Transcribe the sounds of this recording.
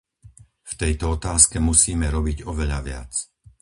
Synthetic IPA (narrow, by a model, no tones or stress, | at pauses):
ft̪ɛjt̪ɔɔt̪aːskɛmusiːmɛɾɔbiɟɔʋɛʎa̰ʋɪa̰t͡s